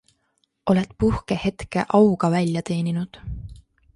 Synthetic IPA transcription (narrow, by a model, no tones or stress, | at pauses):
o̞le̞t̪ˑpuhkehe̞t̪ke̞̰ʔɑwɡ̥ɑvælʲjɑt̪e̞ːninud̪̥